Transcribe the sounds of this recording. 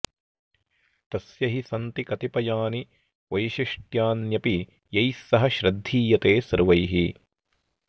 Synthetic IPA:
t̪ɐsjɐɦisɐnt̪ikɐt̪ipɐjaːni | ʋɐjʃiʂʈjaːnjɐpi | jɐjsːɐɦɐʃɾɐd̪ʱːiːjɐt̪eːsɐɾʋɐjɦi

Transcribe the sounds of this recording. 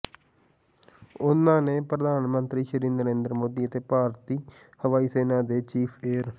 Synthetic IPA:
ʊnãːneːpɾəd̪aːnmənt̪ɾiːʃəɾĩːnd̪əɾẽːnd̪əɾmoːd̪iːət̪eːpaːɾt̪iː | həʋaːiːseːnaːd̪eːt͡ʃiːpʰeːɾ

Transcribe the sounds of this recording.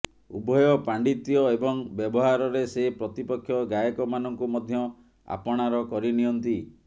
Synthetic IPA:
ubʱɔjɔpaɳɖit̪ijɔebɔŋbjɔbɔɦaɾɔɾesepɾɔt̪ipɔkʰːjɔɡajɔkɔmanɔŋkumɔd̪ʱjɔ | a̰pɔɽ̃aɾɔkɔɾiniɔnt̪i

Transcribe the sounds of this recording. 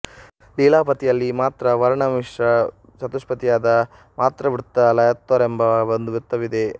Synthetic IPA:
liːlaːpɐt̪ijɐlːimaːt̪ɾɐʋɐɾɐɳɐmmiʂɾɐ | sɐt̪uʂpɐt̪ijaːd̪ɐ | maːt̪ɾɐʋiɾut̪ːɐlɐjɐt̪ːoːɾembɐbɐnd̪uʋuɾt̪ːɐʋid̪e

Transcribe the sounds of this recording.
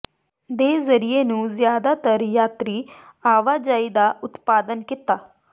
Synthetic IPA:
d̪eːzəɾɪeːnũːzjaːd̪aːt̪əɾjaːt̪ɾiːaːʋaːd͡ʒaːiːd̪aːʔʊt̪paːd̪ənkɪt̪aː

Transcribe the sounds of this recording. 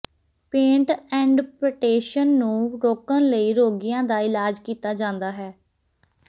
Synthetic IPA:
pẽːɳʈɛ̃ːɳɖpɾəʈeːʃənːũːɾoːkənləiːɾoːɡijãːd̪aːɪlaːd͡ʒkiːt̪aːd͡ʒãːnd̪aːɦɛː

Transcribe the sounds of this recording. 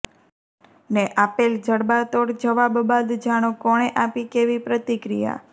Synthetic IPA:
neʔapeld͡ʒəɽbat̪oɽd͡ʒəʋabbad̪d͡ʒaɽ̃okɔɽ̃eʔapikeʋipɾət̪ikɾḭja̰

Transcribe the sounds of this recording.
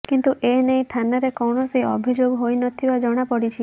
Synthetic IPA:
kint̪uʔenejt̪ʰanaɾekɔwɳɔsiɔ̰bʱid͡ʒoɡɦojnɔt̪ʰibad͡ʒɔɽ̃apɔɽit͡ʃʰi

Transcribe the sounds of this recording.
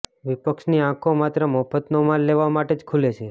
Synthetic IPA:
ʋipəkʃniãkʰomat̪ɾəmɔfʰət̪nomanleʋamaʈed͡ʒkʰulet͡ʃʰe

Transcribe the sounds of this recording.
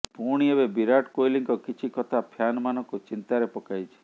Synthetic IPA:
puɽ̃iebebiɾaʈkojliŋkɔkit͡ʃʰikɔt̪ʰapʰjanɔmanɔŋkut͡ʃint̪aɾepɔkajt͡ʃʰi̥

